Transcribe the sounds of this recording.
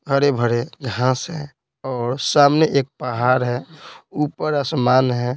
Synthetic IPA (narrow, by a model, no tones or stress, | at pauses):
bʱəɽebʱəɾeɡʱãːsɦɛ̃ | ɔːɾsaːmneʔeːk̚pəɦaːɾɦɛuːpəɾaːsmaːnɦɛː